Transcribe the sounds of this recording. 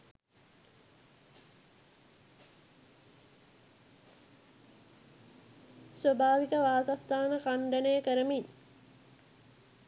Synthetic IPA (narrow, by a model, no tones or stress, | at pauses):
sʋɐbaːʋikəʋaːsast̪ːaːnəkaɳɖɐnejəkəɾəmiɲ